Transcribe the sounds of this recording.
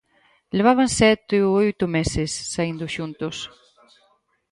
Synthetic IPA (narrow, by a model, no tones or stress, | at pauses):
leβ̞aβansɛt̪ɪuojt̪ʊmesɪsːaind̪ʊʃunt̪ʊs